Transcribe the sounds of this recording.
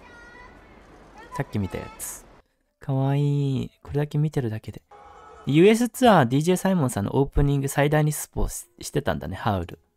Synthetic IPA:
sakʲːimʲit̪a̰ja̰t͡sɨ̥ | kʰaβaiːko̞ɾe̞d̪ake̞mʲit̪e̞ɾɯ̟d̪ake̞d̪e̞jɯ̟ːe̞s̬ɨt͡sɨad̪ʲiːʑe̞ːsaimõsãnːʔo̰ʔo̞ːpɯ̟ɲ̟ĩŋɡɯ̟said̪aiɲ̟isɨ̥po̰ːsɕi̥t̪e̞t̪ã̰nd̪a̰ne̞haɯ̟ɾɯ̟̰

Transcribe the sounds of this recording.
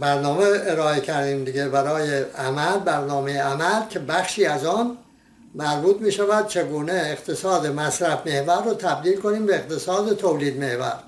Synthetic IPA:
bæɾnɒːmeeɾɒːecʰæɾd̪iːmd̪iɡe̞bæɾɒːjeæmælbæɾnɒːmejeæmælcʰe̞bæxʃiːæzɒːn | mæɾbuːt̪miːʃævæd̪̥̚t͡ʃʰeɡuːneːɣt̪ʰe̞sɒːd̪e̞mæsɾæfme̞hvæɾːoːt̪ʰæb̚d̪iːlkoniːmbeːqt̪ʰe̞sɒːd̪et̪ʰowliːd̪me̞hvæ̰ɾ

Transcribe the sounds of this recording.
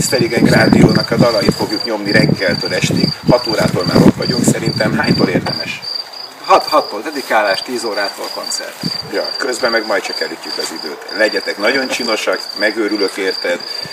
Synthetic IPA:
spɛd̪iɡɛɟɡraːd̪ioːnɒkɒd̪ɒlɒjifo̞ɡjukɲo̞mniɾɛɡːɛlt̪øːlɛʃt̪ikhɒt̪oːɾaːt̪oːlma̰ɾot̪ʋɒɟuŋksɛɾint̪ɛmɦaːɲt̪oːleːrd̪ɛmɛʃ | hɒt̪hɒt̪ːoːld̪ɛd̪ikaːlaːʃt̪iːzoːɾaːt̪olko̞nt̪sɛ̰rt̪jɒ̰kø̞zbɛmɛɡmɒjt͡ʃɒkɛlicːykɒzid̪ø̰ːt̪lɛɟɛt̪ɛknɒɟo̞nt͡ʃiːno̞ʃɒkmɛɡøːɾylø̞keːrt̪ɛd̪

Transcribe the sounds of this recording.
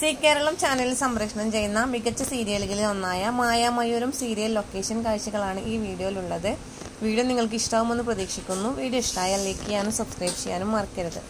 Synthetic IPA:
siːkʲːe̞ːɾɐɭɐmt͡ɕaːnɐlilsɐmɾɐkʂɐɳɐmt͡ɕe̞jnːɐmiɡɐt͡ɕːɐsiːɾijɐliɡilionːaːjɐmaːjamɐjoɾumsiːɾijɐlːo̞kːe̞ːʂɐnkaːjɕɐɣɐɭaːɳɨʔiːʋiːɽijo̞ːiluɭːɐðɨ | ʋiːɽjɐmniŋːɐɭk̬ɨiʂʈɐːʋume̞nːɨprɐðiːkʂikʲːunːuʋiːɽijoiʂʈaːjɐleːkːijaːnumsɐbskrɐjbt͡ɕeja̰ːnumːɐrkʲːɐɾɐðɨ

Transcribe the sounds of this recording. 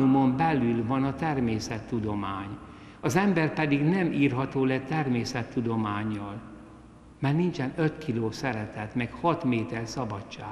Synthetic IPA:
umo̞mbɛlylvɒnɒt̪ɛrmeːsɛt̪ːud̪o̞maːɲ | ɒzɛmbɛrpɛd̪iɡnɛmiːrɦɒt̪oːlɛt̪ːɛrmeːsɛt̪ːud̪o̞maːɲːɒl | mɛrnint͡ʃɛnøt̪kʰiloːsɛɾɛt̪ɛt̪mɛkhɒt̪meːt̪ɛrsɒbɒtt͡ʃːaː

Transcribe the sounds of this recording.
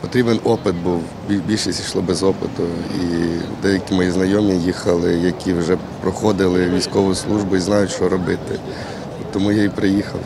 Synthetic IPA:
pɔt̪ɾʲibenɔpɪt̪̚buw | bʲibʲilʲʃɪsʲiʃlˠɔbɛzɔpɪt̪ʊḭd̪ɛjɐkʲimɔjiznɐjɔmnʲijixɐlˠɪjɐkʲiwʒɛ | pɾɔxɔd̪ɪlˠɪʋʲijsʲkɔʋʊjʊslˠuʒbʊiznɑjʊt͡ʃɔɾɔbɪt̪ɪ | ɔt̪ːɔmujaipɾɪjixɐw

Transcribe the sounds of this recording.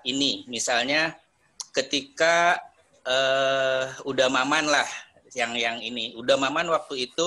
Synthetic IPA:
inimisalɲa | kət̪ika | ə | udamamanlah | jaŋjaŋiniudamamanwak̚t̪uit̪u

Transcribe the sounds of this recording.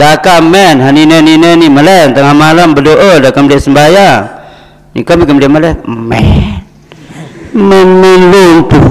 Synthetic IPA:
dakamɛnɦaninɛninɛniməlɛnt̪aŋamalambədoʔɔdakamdiaʔsəmbajaŋ | nḭkamikamdiaməlɛmɛ̰n | mɛnmɛnluŋt̪u

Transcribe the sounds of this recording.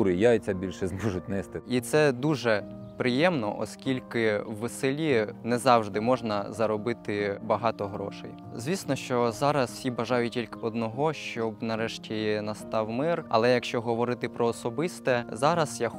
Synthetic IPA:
ɾɪjajt͡sʲɐbʲilʲʃɛzmɔʒʊt̚ʲnɛst̪ɪit̪sɛd̪uʒɛ | pɾɪjɛmnɔ̰ʔɔ̰skʲilʲkɪwːeselʲinɛzɑwʒd̪ɪmɔʒnɐzɐɾɔbɪt̪ɪbɐɦɑt̪ɔɦɾɔ̰ʃɛ̰j | zʲʋʲisnɔʃt͡ʃɔzɑɾɐswsʲibɐʒɑjʊtʲtʲilʲkɔd̪nɔɦɔʃt͡ʃɔbnɐɾɛʃtʲinɐst̪ɑwmɪrɐ̰lˠɛjɐkʃt͡ʃɔɦɔʋɔɾɪt̪ɪpɾɔːsɔbɪst̪ɛzɑɾɐsja

